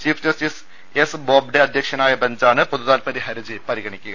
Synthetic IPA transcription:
t͡ɕiːfʰd͡ʑɐstis | esboːb̚ɖeɐd̪ʱjɐkʂɐnaːjɐbɐɲd͡ʑaːnɨpoðuðaːlpɐðiɦɐɾid͡ʑɨpɐɾiɣɐɳikʲːuɣɐ

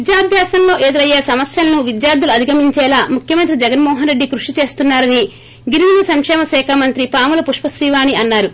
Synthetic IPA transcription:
id̪jaːbʱjaːsɐmlo̞ːʔe̞ːd̪uɾɐjeːsɐmɐsjɐlɐnuʋid̪jaːɾd̪ɐluɐd̪ʱiɡɐmiɲt͡ʃɛːlaːmukʰjɐmɐnt̪ɾid͡ʒɛɡɐnmɔːɦɐnɾeɖːikɾuʂit͡ʃe̞ːst̪unːaːɾɐni | ɡiɾiʋinɐsɐŋkʂɛːmɐsɛːkʰamɐnt̪ɾipaːmulɐpuʂpɐsɾiːʋaːɳiɐnːaːɾu

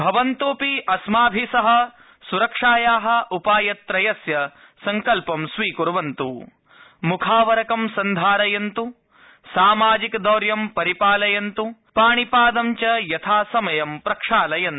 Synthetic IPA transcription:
bʱɐʋɐnt̪uːpiʔɐsmaːbʱisɐɦɐ̆ | suɾɐkʂaːjaːɦɐ̆ʔupaːjɐt̪ɾɐjɐsjɐ | sɐŋkɐlpɐmsʋiːkuɾʋɐnt̪u | mukʰaːʋɐɾɐkɐmsɐnd̪ʱaːɾɐjɐnt̪u | saːmaːd͡ʒikd̪ɐːɾjɐmpɐɾipaːlɐjɐnt̪upaːɳipaːd̪ɐmt͡ʃɐjɐt̪ʰaːsɐmɐjɐmpɾɐkʂaːlɐjɐnt̪

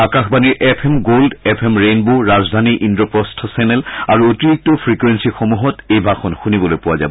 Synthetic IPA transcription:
akaxbaniɹʔɛpʰemɡoldɛpʰemɹenboɹazd̪ʱaniʔindɹɔpɔstʰɔsɛnɛlaɹuotiɹik̚tɔpʰɹikwensixomuɦɔtejbʱaxɔnxunibɔlojpuwaza̰bɔ

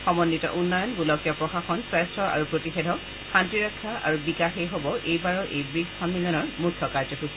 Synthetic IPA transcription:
xɔmɔnːitɔ̰ʔunːɔjɔnbulɔkijɔpɹɔxaxɔnsastɹɔʔa̰ɹupɹotixedʱɔ | xantɹiɹakʰːaa̰ɹubikaxejɦobɔʔejbaɹɔʔejbɹiɡfʰamːilɔnɔɹmutʰːɔkaɹd͡ʒɔkʰusɛ

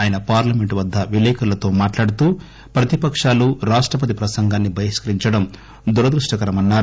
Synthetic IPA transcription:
aːjɐnɐpaːɾlɐme̞ɳʈʋɐd̪ʱːɐʋilɛːkʰɐlɐt̪oːmaːʈlaːɽut̪uː | pɾɐt̪ipɐkʂaːluɾaːʂʈɾɐp̬ɐt̪̬ipɾɐsɐŋɡaːnːibʱɐjiʃkɐɾiɲt͡ʃɐɽɐm | d̪uɾɐd̪ɾuʂʈɐkɐɾɐmɐnːaːɾu

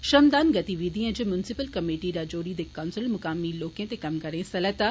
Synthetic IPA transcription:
ʃɐmd̪aːnɡɐt̪iʋiːd̪iːə̃d͡ʑimjʊnsɪpəlkɐmeːʈiɾaːd͡ʑoːɾid̪ekaːʊnsɪlmʊkaːmiloːkjə̃t̪ekɐmkɐɾẽsɐlət̪a

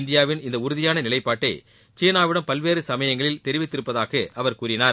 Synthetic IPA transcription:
nd̪ɪjaːʋɪnɪnd̪ɐʊɾʊðɪjaːnɐnɪlɐɪpːaːʈːɐɪ | t͡ʃeːnaːʋɪɽɐmpɐlʋeːɾɯsɐmɐjɐŋɡɐɭɪlt̪ɛɾɪʋɪt̪ːɪɾɯpːɐðaːɣɐʔɐʋɐɾkuːɾɪnaːɾ

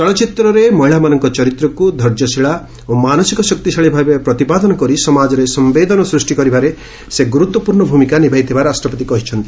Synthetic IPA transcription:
t͡ʃɔɭɔt͡ʃit̪ɾɔɾemɔɦiɭamanɔŋkɔt͡ʃɔɾit̪ɾɔkud̪ʱɔɾd͡ʒɔsiɭa | omanɔsikɔsɔk̚t̪isaɭibʱabepɾɔt̪ipad̪ɔnɔkɔɾisɔmad͡ʒɔɾesɔmbed̪ɔnɔsɾusʈikɔɾibaɾe | seɡuɾut̪wɔpuɾɳɔbʱumikanibʱajt̪ʰibaɾasʈɾɔpɔt̪ikɔɦit͡ʃʰɔnt̪i

